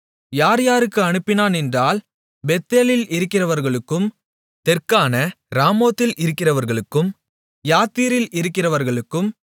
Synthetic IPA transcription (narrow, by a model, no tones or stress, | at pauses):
jaːɾjaːɾɯkːɯɐnɯpːɪnaːnɛndraːl | bɛt̪ːeːlɪlɪɾɯkːɪrɐʋɐɾɣɐɭɯkːɯm | t̪ɛrkaːnɐ | ɾaːmoːt̪ːɪlʔɪɾɯkːɪrɐʋɐɾɣɐɭɯkːɯm | jaːt̪ːiːɾɪlʔɪɾɯkːɪrɐʋɐɾɣɐɭɯkːɯm